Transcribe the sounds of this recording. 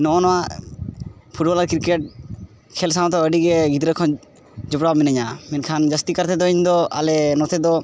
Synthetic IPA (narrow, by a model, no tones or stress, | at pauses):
nɔʔɔnɔwaʔ | pʰuʈ̚bɔlaɾkiɾkɛʈ̚ | kʰɛls̬aw̃t̪ɔəɖiɡɛɡit̪ɾɛkʰɔn | d͡ʒɔpɽaminəɲamɛnkʰand͡ʒast̪ikəɾt̪ɛd̪ɔiɲd̪ɔa̰lɛnɔt̪ʰɛd̪ɔ